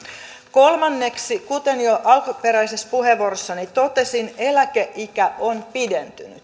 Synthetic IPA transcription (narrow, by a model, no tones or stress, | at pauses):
ko̞lmɑnːeksikut̪enjoʔɑlkupeɾæjsespuheʋːuorosːɑnit̪ot̪esinelækeʔikæonpident̪yny̰t̪